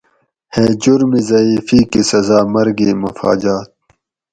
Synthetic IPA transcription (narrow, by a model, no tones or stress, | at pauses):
heːd͡ʑuɾmizɐiːfikisɐzaːmɐɾɡiːmɐfa̰ːd͡ʑaːt̪̚